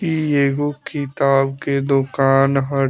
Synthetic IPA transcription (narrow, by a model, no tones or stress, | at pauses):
ieːɡokʰɪt̪aːbked̪ʊkaːnɦə